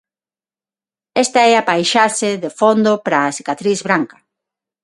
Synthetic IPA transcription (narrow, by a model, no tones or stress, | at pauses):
ɛst̪ɐɛapajʃaʃeðefond̪opɾaːsikat̪ɾizβɾaŋkɐ̥